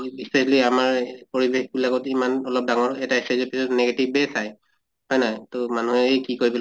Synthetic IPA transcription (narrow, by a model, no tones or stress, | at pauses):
bisesliamaɹpoɹibexbilaɡɔtimanɔlɔp̚daŋɔɹɛtaisazɔt̚pisɔtneɡetibɛsaj | hɔjnajtomanuɛejkikoɹibil